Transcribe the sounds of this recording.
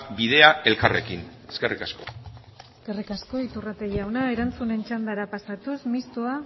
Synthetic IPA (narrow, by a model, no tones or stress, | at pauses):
biðe̞ae̞lkare̞kineske̞rikasko̞̰ske̞rikasko̞it̪urat̪e̞ɣiawnae̞ɾant͡sune̞nt͡ʃand̪aɾapasat̪usmist̪ua